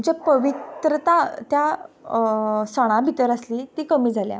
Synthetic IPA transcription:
ɲd͡ʑapəʋit̪ɾət̪at̪ja | saɽ̃ãbʱit̪əɾəsliːt̪ikəmiːd͡zʱalja̰

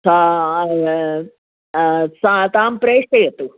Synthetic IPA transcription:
sa | sat̪aːmpɾeːʂʈejɐt̪ːu

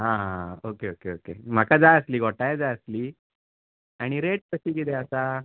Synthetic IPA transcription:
ɦãɦãokeokeokḛm̤akad͡zaəsliːɡʱoʈajed͡zaəsliː | aɽ̃iɾeʈ̚kəɕiːɡid̪eəsa

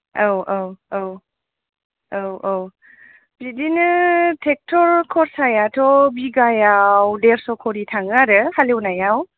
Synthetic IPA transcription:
awawow | awow | bidinɯtʰek̚tʰɔɾkʰɔɾsajatʰɔbiɡajawdeɾsɔkʰɔɾitʰaŋaɾɯhalewnajaw

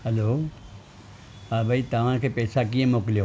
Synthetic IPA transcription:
ɦəloː | aːbʱait̪aːʋaːnkepɛːsakiẽmoːkljo

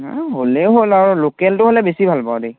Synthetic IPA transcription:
ɦolɛʊɦolaɹɔlokɛltʊɦolɛbesibʱalpaʊde

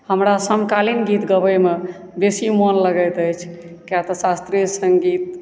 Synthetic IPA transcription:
həmɾasəmkalinɡit̪ɡəbəjme | besimɔnləɡəjt̪əjt͡ʃʰ | kjat̪əsast̪ɾisəŋɡit̪̚

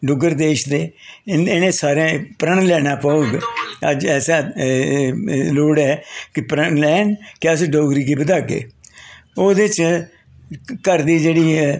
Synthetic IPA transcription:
ɖʊɡəɾd̪eːʃd̪eːɪnẽːsaːɾẽːpɾəɳlɛːɽãːpəoːɡəd͡ʒɛːsaː | loːɽɛːkɪpɾəɳlɛːnkɛsɖoːɡɾiːɡiːbəd̪aːkḛː | oːd̪ɪt͡ʃ | kəɾd̪iːd͡ʒeːɽiːɛː

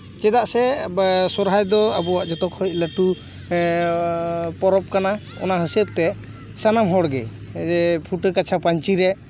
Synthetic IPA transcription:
t͡ʃɛd̪aʔsɛsɔɾɦajd̪ɔabɔwaʔd͡ʒɔt̪ɔkhɔjc̚ˀləʈu | pɔɾɔp̚kana | ɔ̰naɦəsəp̚t̪ɛ | sanamɦɔɽɡɛ̰ | ɛpʰuʈəkat͡ʃʰapaɲt͡ʃiɾɛ

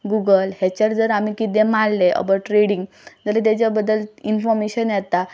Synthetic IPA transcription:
ɡuɡəlhɛt͡ɕəɾd͡zəɾam̤ikit̪ẽmalːeʔə̰bəʈɾeɽiŋɡ | d͡zəɾət̪̬at͡ɕjabəd̪ːəlinfɔɾmeɕənjɛt̪a

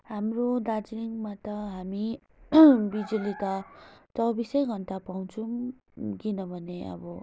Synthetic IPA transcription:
ɦamrod̪ad͡zniŋmat̪ʌɦami | bid͡zulit̪ʌt͡sʌbisʌjɡʱʌnt̪apaw̃t͡sʰu | kinʌbʱʌneʌ̰bʌ

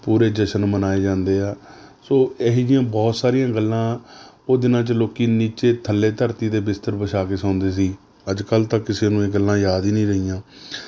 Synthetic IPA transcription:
puːɾeːd͡ʒəʃənmənaːeːd͡ʒãːnd̪eːaː | soːeɦid͡ʒjãːbɔːt̪saːɾijãːɡəlːãː | oːd̪ɪnãːt͡ʃəloːkiːniːt͡ʃeːt̪ʰəlːeːt̪əɾt̪iːd̪eːbɪst̪əɾbəʃaːkeːsãːnd̪eːs̬iː | əd͡ʒkəlt̪ãːkɪseːnũːeːɡəlːãːjaːd̪iːnĩːɾəɦijãː

